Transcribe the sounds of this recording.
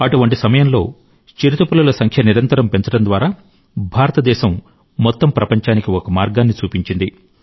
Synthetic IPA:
ɐʈuʋɐɳʈisɐmɐjɐnlo̞̰ː | t͡ʃiɾit̪upululɐsɐŋkʰjɐniɾɐnt̪ɐɾɐmpe̞ɲt͡ʃɐɽɐnd̪ʋaːɾaː | bʱaːɾɐt̪ɐd̪ɛːʃɐmː | ɔt̪ːɐmpɾɐpɐɲt͡ʃaːnikiɔkɐmaːɾɡaːnːit͡ʃuːpiɲt͡ʃind̪i

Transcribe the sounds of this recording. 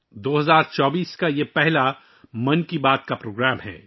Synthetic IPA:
d̪oːɦɐzaːɾt͡ʃɔːbiːskajepɛɦla | mɐnkibaːt̪̚kapɾoːɡɾaːmɦɛ̰ː

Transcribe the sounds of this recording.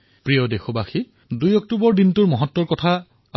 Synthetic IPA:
pɹijɔdexobaxi | dujɔk̚tubɔɹdintuɹmɔɦɔtːɔɹkɔtʰa

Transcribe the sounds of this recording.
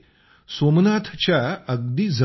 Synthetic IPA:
somnat̪ʰt͡ɕjaəɡ̚d̪iːd͡zə

